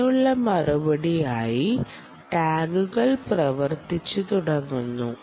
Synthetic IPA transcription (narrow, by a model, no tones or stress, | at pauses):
uɭːɐmɐrɐbɐɽijaːji | ʈaːɡuɣɐɭprɐʋɐrt̪it͡ɕːut̪uɽɐŋːunːṵ